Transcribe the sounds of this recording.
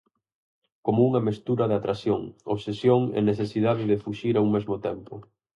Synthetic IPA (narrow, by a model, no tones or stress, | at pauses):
komouŋɐmest̪uɾɐðat̪ɾasjoŋo̰βsesjoŋɛ̰neθesiðaðɪðɪfuʃiɾauŋmezmʊt̪ɛmpʊ̰